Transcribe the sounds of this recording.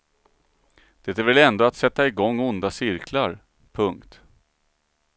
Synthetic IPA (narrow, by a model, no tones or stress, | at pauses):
d̪̥ɛt̪æɾvɛlɛnd̪oːat̪sɛt̪ːaɪɡɔŋːʊnd̪asɪɾkʰlaɾ | pʰɵŋkt̪